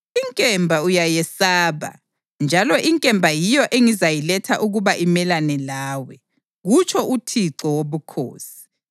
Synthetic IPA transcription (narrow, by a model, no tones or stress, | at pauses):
iŋkʼɛmbʱaujajɛsaːβa̰ | nd͡ʒʱalɔʔiŋkʼɛmbʱajijɔʔeŋizajilɛtʰaʔuɣuβaʔimɛlanɛlaːwɛ | ɣut͡ʃʰʼɔʔutʰiǀɔwoβukʰo̰ːsi̥